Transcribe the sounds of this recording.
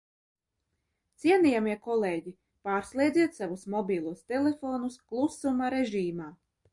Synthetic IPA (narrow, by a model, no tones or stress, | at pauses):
t̪siɛniːjamiɛkɔlˠeːɟi | paːɾslˠiɛd̪ziɛt̪savusmɔbʲiːlˠuɔst̪elefoːnusklˠusumaɾeʒiːmaː